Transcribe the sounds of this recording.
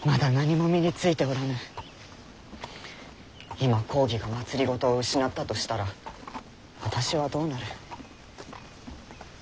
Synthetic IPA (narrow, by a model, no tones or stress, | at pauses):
mad̪anaɲ̟imo̞mʲiɲʲit͡sɨit̪e̞oɾanɯ | imakʰo̞ːɡʲiɡamat͡sɨɾʲiɡo̞t̪o̞ːɯ̟ɕinat̪ːat̪o̞ɕi̥t̪aɾa | βat̪aɕiβad̪o̞ːnaɾɯ̟